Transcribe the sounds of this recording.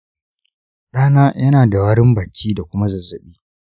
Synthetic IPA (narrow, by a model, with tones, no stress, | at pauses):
ɗaː˦naː˦jɐ˦naː˨da˨waː˦ɽɪ˦mbaː˨kʲiː˦da˨kʷʊ˦ma˦zɐ˨zɐ˨ɓiː˦